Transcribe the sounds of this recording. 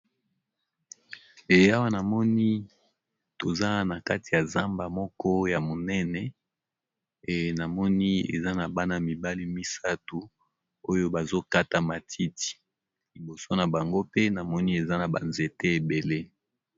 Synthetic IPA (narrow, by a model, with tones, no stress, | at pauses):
e˨a˦wa˦na˨mɔ˦ni˦ | to˨za˦na˨ka˦ti˨ja˨za˦mba˨mɔ˦kɔ˦ja˨mo˨nɛ˦nɛ˨ | e˨na˨mɔ˦ni˦ḛ˨za˦na˨ba˦na˨mi˨ba˦li˦mi˦sa˦tu˨ | o˦jo˦ba˨zo˦ka˦ta˨ma˨tʰi˦ti̥˨ | li˨bo˨so˦na˨ba˨ŋɡo˦pe˦na˨mɔ˦ni˦e˨za˦na˨ba̰˨nze˨te˦e˨be˨le˦